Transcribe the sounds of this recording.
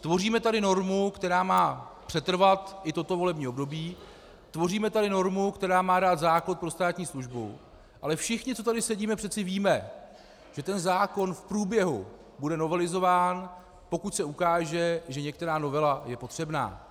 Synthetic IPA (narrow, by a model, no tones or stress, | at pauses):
t̪vo̞riːmɛt̪adɪno̞ɾmukt̪ɛɾaːmaːpr̝̥ɛt̪r̩vat̪ʔɪt̪o̞t̪o̞vo̞lɛbɲiːobdo̞biː | t̪vo̞riːmɛt̪adɪno̞ɾmukt̪ɛɾaːmaːdaːt̪zaːklot̪̚pɾo̞st̪aːt̪ɲiːsluʒbṵ | ʔalɛfʃɪxɲɪt͡so̞t̪adɪsɛɟiːmɛpr̝̥ɛt̪t͡sɪviːmɛ | ʒ̥ɛt̪ɛnzaːko̞nfpɾuːbjɛɦṵ | budɛno̞vɛlɪzo̞vaːn | po̞kuc̪sɛukaːʒɛʒɛɲɛk̚t̪ɛɾaːno̞vɛlajɛpo̞t̪r̥ɛbna̰ː